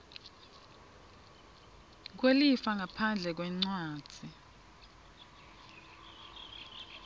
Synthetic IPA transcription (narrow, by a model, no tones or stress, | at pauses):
k̬welifaŋapʰand͡ɮʱɛk̬wɛŋ͡ǀwḁːd͡z̥ʱi